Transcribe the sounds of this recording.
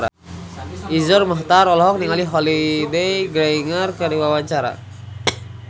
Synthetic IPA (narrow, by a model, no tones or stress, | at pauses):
ɾa | izɔrmaɦt̪aɾɔlɔɦɔk̚niŋaliɦɔlidejɡɾaiŋərkaɾiwawaɲt͡ʃaɾa̰